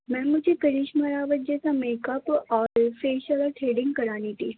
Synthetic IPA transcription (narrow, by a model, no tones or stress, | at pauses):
mɛ̃ːmʊd͡ʒʱekɐɾiːʃmaɾaːʋət̪̚d͡ʒɛːsameːkəpɔːɾfeːʃəlɔʈʰɾeːɖɪ̃ŋɡkɐɾaːnit̪ʰiː